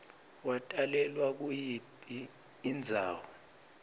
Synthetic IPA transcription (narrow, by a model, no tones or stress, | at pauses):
watʼalɛlwak̬ujipʼiː | nd͡zʱa̰ːwɔ